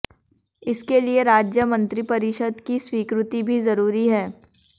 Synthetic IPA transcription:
ɪskelieɾaːd͡ʒjəmɐ̃nt̪ɾipɐɾɪʃəd̪kiswiːkɾʊt̪ibʱizɐɾuːɾiɦɛː

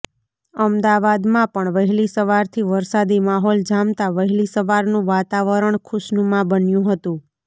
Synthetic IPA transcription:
əmd̪aʋad̪mãpəɳʋəɦɛlisəʋaɾt̪ʰiʋəɾsad̪imaɦɔld͡ʒamt̪aʋəɦɛlisəʋaɾnũʋat̪aʋəɾəɳkʰʊʃnũmãbənjũɦət̪ũ

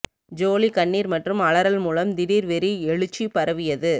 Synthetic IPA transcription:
d͡ʒoːlikɐɳːiːɾmɐʈrɯmɐɭɐɾɐlmuːlɐmd̪ɪɾiːɾʋɛɾiɛɻɯt͡ʃːipɐɾɐʋɪjɐðɯ

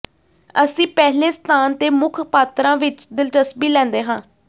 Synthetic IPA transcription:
əsĩːpɛːɦleːst̪ʰaːnt̪eːmʊkʰpaːt̪ɾãːʋɪt͡ʃd̪ɪlʈəsbiːlɛ̃ːnd̪eːɦãː

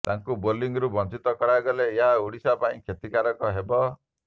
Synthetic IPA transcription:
t̪aŋkuboliŋɡɔɾubɔnt͡ʃit̪ɔkɔɽajɡɔleːɦauɽisapaĩkʰjet̪ikaɾɔkɔɦebɔ

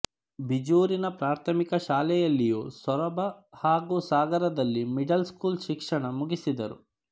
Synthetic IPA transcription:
bid͡ʒuːɾinɐpɾaːɾt̪ʰɐmikɐʃaːlɛjɐlːijuːsʋɐɾɐbɐhaːɡusaːɡɐɾɐd̪ɐlːimiɖɐlskuːlʃikʂɐɳɐmuɡisid̪ɐɾṵ

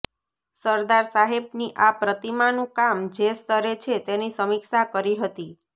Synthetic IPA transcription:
səɾd̪aɾsaɦebniʔapɾət̪imanũkamd͡ʒest̪əɾet͡ʃʰet̪enisəmiksakəɾiɦət̪i

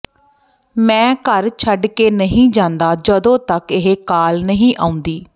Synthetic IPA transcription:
mɛ̃ːkəɾt͡ʃʰəɖkeːnəɦĩːd͡ʒãːnd̪aːd͡ʒəd̪õːt̪əkɪɦekaːlnəɦĩːʔaːũnd̪iː

